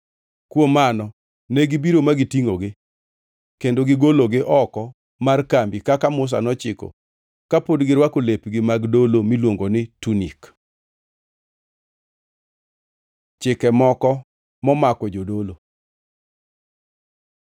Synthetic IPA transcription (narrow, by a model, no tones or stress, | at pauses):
kwomanɔ | nɛɡɪbiɾomaɡɪtiŋoɡɪ | kendoɡɪɡoloɡɪʔɔkɔ | markambikakamʊs̬a̰nɔt͡ʃɪko̰ | kapodɡɪɾwakolepɡɪmaɡdolomilwoŋɡonɪtunik | t͡ʃɪkɛmɔkɔ | mɔmakɔd͡ʒodolo